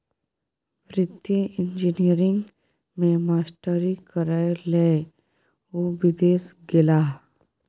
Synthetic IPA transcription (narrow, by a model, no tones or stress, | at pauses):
pɾɪt̪jəʔɪ̃ɲd͡ʒinijəɾɪ̃ŋɡ | mẽmaːsʈəɾikəɾaeleː | obɪd̪eːsɡɪlaː